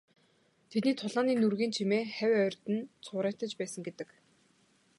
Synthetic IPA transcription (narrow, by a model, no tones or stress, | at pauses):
t̪ʰet̪niːt̪ʰʊɮaːniːnurɣiːnt͡ɕʰimeːχæwʲœrʲt̪ɘ̆nt͡sʰʊːɾəːt̪ə̆t͡ɕpæːsə̆ŋɡet̪ɘ̆k